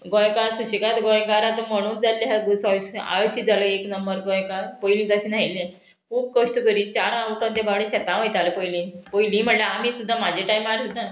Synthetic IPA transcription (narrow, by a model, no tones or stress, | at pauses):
ɡɔ̃jkaɾsuɕikat̪ɡɔ̃jkaɾat̪ɔməɽ̃uːnd͡zalːeɦaɡusaɕa̰ɭsiːd͡zaləeknəmbəɾɡɔ̃jkapojlĩd͡zaɕinaɦilẽ | kʰuːb̚kəʂʈukəɾit͡ɕaɾãʋukãnt̪ebaʋɽẽɕɛt̪ãʋajt̪aləpojlĩpojlĩm̤əʈlaːmisud̪ʱːamad͡ʑʱeʈajmaɾsut̪ːa